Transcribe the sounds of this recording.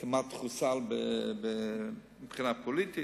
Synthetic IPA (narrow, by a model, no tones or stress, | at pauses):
kɪmatχusalˠbəbə | ɪpχinapʰɔlitɪ